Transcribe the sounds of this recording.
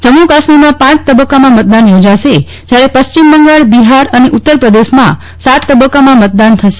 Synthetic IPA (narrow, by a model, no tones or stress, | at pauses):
d͡ʒəmukasmimãpãt͡ʃt̪əbəkːamãmət̪̚d̪anjod͡ʒaʃe | d͡ʒjaɾepəst͡ʃimbəŋɡaɭbiɦaɾəneʔut̪ːəɾpɾəd̪eʃmã̰ | sat̪ːəbəkːamãmət̪̚d̪ant̪ʰəʃe